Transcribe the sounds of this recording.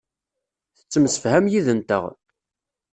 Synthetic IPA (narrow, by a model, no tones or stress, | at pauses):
θə̥t͡sːəmsə̥fhæmjiðənt̪ə̰ʁ